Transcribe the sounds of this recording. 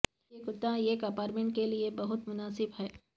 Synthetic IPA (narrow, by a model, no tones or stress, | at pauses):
ekʊt̪ːãeːkɐpaːɾʈmẽːɳʈ̚keliebɐɦʊt̪mʊnaːsɪbɦɛː